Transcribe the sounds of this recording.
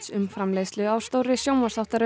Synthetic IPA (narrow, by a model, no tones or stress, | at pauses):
sʏmfɾamleːjslʏaːwst̪owɾɪsjoːwmasθawht̪aɾʏ